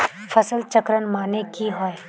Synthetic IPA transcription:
fʰɐsəlt͡ʃəkɾənmaːnekiɦɔe

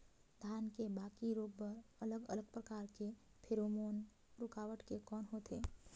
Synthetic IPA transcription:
d̪ʱaːnkebaːkiɾuːbːɐɾɐləɡə̰ləɡ̚pɾɐkaːɾke | pʰɪɾoːmoːn | ɾʊkaːʋəʈkekɔːnɦoːt̪eː

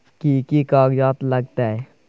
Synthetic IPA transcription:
kiːkikaːɡjaːt̪ləɡ̚t̪ae

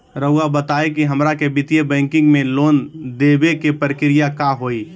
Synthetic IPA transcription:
ɾəʊabət̪aːekiɦəmɾakebɪt̪ijebɛ̃ːŋkɪ̃ŋɡmẽloːnd̪eːbekepɾɪkɪɾɪjakaɦoːi

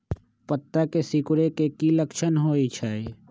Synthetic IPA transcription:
pət̪ːakesikʊɾekekiləkʃənɦoːit͡ʃʰai

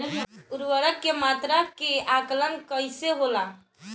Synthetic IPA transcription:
uɾʋəɾəkːemat̪ɾakeʔaklənkəjseɦola

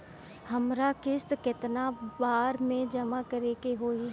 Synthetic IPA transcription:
hɐmɾakɪst̪kɪt̪nabaːɾmẽd͡ʒɐmakɐɾeːkeɦoːi

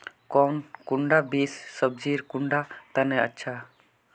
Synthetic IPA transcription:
kɔnkuɳɖabisːəb̚d͡ʒiɾkuɳɖat̪anɛə̰tːt͡ʃʰa

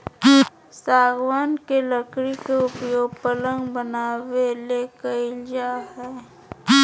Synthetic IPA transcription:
saːɡwaːnkeləkɾikeʊpjoːɡ̚pələ̃ŋɡbənaːwelekəɪld͡ʒaːɦɛː

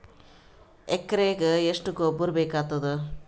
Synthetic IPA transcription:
ekːɐɾeːɡeeʂʈuɡobːuɾbeːkaːt̪ːɐd̪u

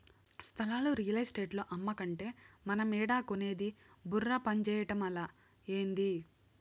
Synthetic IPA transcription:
st̪ʰɐlaːluɾijɐlɐsʈe̞ːʈlo̞ːʔɐmːɐkɐɳʈe̞ːmɐnɐmɛːɽaːkone̞ːd̪iburːɐpɐɲt͡ʃɛːjɐʈɐmɐlaː | eːnd̪i

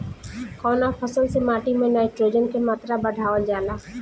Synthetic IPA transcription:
kɔːnapʰəsəlsemaːʈimẽnaːɪʈɾoːd͡ʒənkemaːt̪ɾabəɽʱaːʋəld͡ʒaːlaː

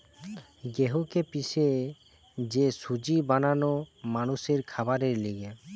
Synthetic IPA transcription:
ɡeɦukepise | d͡ʒesud͡ʒibananomanuseɾkʰabaɾeɾliɡe

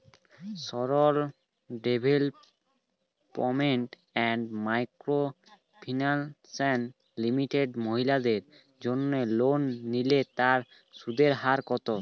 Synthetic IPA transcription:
sɔɾol | ɖebʱel | pɔmeɳʈ | ɛɳɖmajkɾo | pʰinalsɛn | limiʈeɖmoɦilad̪eɾ | d͡ʑonːelonːilet̪aɾ | ʃud̪eɾɦaɾkɔt̪o

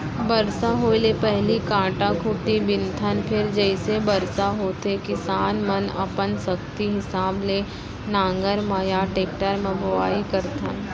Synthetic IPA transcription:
bɐɾsaɦoːilepɛɦlikãːʈãkʰʊʈ̪ibɪnt̪ʰənpʰɪɾd͡ʒɛɪsebɐɾsaɦoːt̪ekɪsaːnmənɐ̰pənsɐkt̪iɦɪsaːble | nãːŋɡəɾmajaʈeːk̚ʈəɾmɐ̃bʱɐʋaːikɐɾt̪ʰən

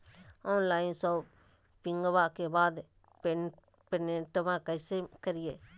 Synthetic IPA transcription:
ɔnlajnsɔw | piŋɡβaʔkebad̪ | pɛnɛʈmãkajsekəɾije

